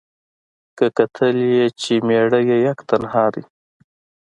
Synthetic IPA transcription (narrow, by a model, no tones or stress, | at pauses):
kəkat̪ʰəljet͡ʃemeɽəjejakt̪anhɑd̪i